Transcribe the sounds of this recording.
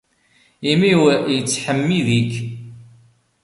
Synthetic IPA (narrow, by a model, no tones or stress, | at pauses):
imiwjət͡sːħəmːiðik